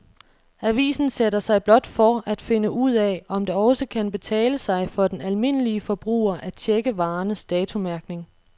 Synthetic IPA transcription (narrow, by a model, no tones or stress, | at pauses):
æʋḭːsn̩seɾɐsɑ̈ɪb̥lɒ̽d̥fɒæd̥fe̝nəʔuð̰ˠɛɒ̽md̥eɒ̽səkʰænb̥e̝t͡sʰɛ̰ːləsɑ̈ɪfɒ̽d̥enælme̝n̰əliəfɒ̽b̥ʁṵːɐʔæt͡ɕʰeɡ̥əʋɑ̈ːnəsd̥ɛːt͡sʰomæɐɡ̥ne̝ŋ